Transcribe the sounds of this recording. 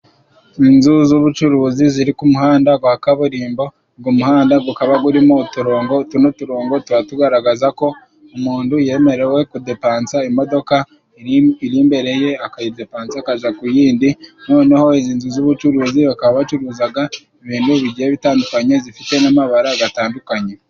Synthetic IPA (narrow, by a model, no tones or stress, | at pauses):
inzuzuβut͡ʃuɾuziziɾikumuhaːndaɡwakaβuɾiːmbo̞ | ɡumuhaːndaɡukaβaɡuɾimo̞tuɾoːŋɡotunotuɾoːŋɡo̞tuɾatuɡaɾaɡazako̞ | umuːnduje̞ːme̞ɾe̞we̞kude̞paːnt͡saimo̞do̞ka | iɾiːmbe̞ɾe̞je̞akajide̞paːnt͡siakaʒakujiːndinwoːniho̞eziːnzuzuβut͡ʃuɾuːziβakaβaβat͡ʃuɾuːzaɡa | eβiːnduβiɟiheβitaːndukaɲe̞zifite̞namaβaɾaɡataːndukaɲe̞